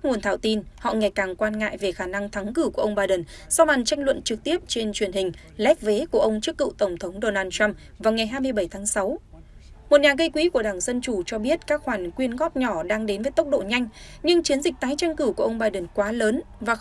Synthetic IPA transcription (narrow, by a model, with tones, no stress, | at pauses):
a˦˥ŋu˨˩ənt̪ʰaː˧˩wt̪i˧nhɔ̰˧˨ŋa˨˩jkaː˨˩ŋkwaː˧nŋa̰ː˧˨jve˨˩xaː˧˩na˧ŋt̪ʰa˨˦ŋkɨ˧˩ku˧˩əʔə˧wŋ͡mɓaː˧jɗə˨˩n | sɔ˧ɓa˨˩nt͡ɕa˧jŋlwə̰˧˨nt͡ɕɨ˨˩k̚t̪i˦˥əp̚t͡ɕe˧nt͡ɕwi˧˩ənhï˨˩ŋ̟ | lɛ˦˥p̚ve˨˦ku˧˩əʔə˧wŋ͡mt͡ɕɨ˦˥kːɨ̰˧˨t̪ə˧˩wŋ͡mt̪ʰə˨˦wŋ͡mɗo˧naː˧nt͡ɕa˧m | vaː˨˩wŋa˨˩jɦaː˧jmɨ˧əjɓə˧˩jt̪ʰaː˨˦ŋsa˨˦w | mo˨˩t̚ɲaː˨˩ɣə˧jkwi˨˦ku˧˩ə˩ɗaː˧˩ŋzə˧nt͡ɕu˧˩t͡ɕɔ˧ɓi˦˥ət̚kaː˦˥k̚xwaː˧˩nkwi˧ənɣɔ˦˥p̚ɲɔ˧˩ɗaː˧ŋɗe˨˦nvəː˨˦jt̪ə˦˥k͡p̚ɗo̰˧˨ɲa˧jŋ̟ɲɨ˧ŋt͡ɕi˨˦ənzï˨˩k̚t̪aː˨˦jt͡ɕa˧jŋ̟kɨ˧˩ku˧˩əʔə˧wŋ͡mɓaː˧jɗə˨˩nkwaː˨˦ləː˨˦n | vaː˨˩